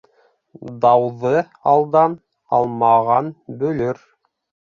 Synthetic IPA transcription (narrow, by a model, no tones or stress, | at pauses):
d̪ɑwðɤ | ɑlˠd̪ɑn | ɑ̰lˠmɑʁɑnbɵ̆lɵɾ